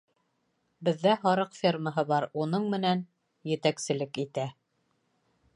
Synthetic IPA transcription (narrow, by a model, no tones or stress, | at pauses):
bɘ̆ðːæhɑɾɤqfʲirməɦɤβɑɾunɤɴmɘ̆næn | jɘ̆t̪æksɘ̆lɘkit̪æ